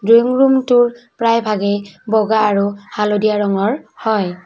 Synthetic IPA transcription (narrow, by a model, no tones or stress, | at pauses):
dujŋɹumtʊɹpɹajbʱaɡɛbɔɡaːɹuhalodijaɹɔŋɔɹhɔj